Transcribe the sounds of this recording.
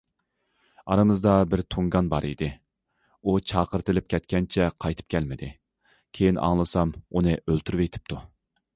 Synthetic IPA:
ɑ̰ɾɨmɨzd̪ɑbɪɾt̪ʰoŋɡɑnbɑɾid̪ɪ | ut͡ʃʰɑːqəɾt̪ʰɨlɪp̚kʲʰɛt̪̚kʲɛnt͡ʃʰɛqʰɑjt̪ʰɨ̥p̚kʲʰɛlmɪd̪ɪ | kʲʰejinɑ̰ŋlˠɨsɑmunɨʔølt̪ʰyɾvejt̪ʰɪ̥p̚t̪ʰu

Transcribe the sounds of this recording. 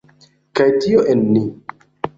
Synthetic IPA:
kajtioʔenːi

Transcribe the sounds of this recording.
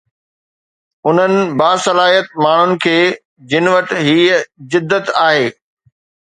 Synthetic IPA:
ʊn̤ənɪ̆baːsɐlaːɦiət̪̚maːɳ̤ʊnɪ̆kʰeː | d͡ʑɪnɪʋɐʈɪ̆ɦiːzɪd̪ːət̪aːɦeː

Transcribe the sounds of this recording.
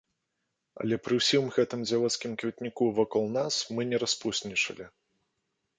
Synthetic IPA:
ɐ̰lʲɛpɾɨwsʲimɣɛt̪ɨmd͡zʲalˠɔt̪skʲimkvʲit̪nʲikuvakɔlˠnasmɨnʲɛɾaspusʲnʲit͡ʂɐ̰lʲi

